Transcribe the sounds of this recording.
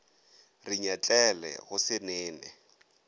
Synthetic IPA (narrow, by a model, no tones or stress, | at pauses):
rɪɲat͡ɬʼɛlɛ̰ɣʊsɪnɛːnɛ̰